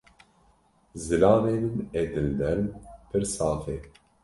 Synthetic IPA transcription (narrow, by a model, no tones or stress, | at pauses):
zɨlɑːneːnɨmeːd̪ɨld̪ɛɾmpʰɨɾsɑːfeː